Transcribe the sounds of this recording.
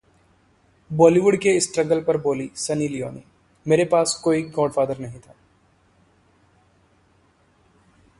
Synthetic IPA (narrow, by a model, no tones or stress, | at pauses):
bɔːliʋʊɖkeɪsʈɾəɡəlpɐɾboːlisɐnilijo̰ːnḛ | meːɾepaːskoːiɡɔːɖfaːd̪əɾnɐɦĩt̪ʰaː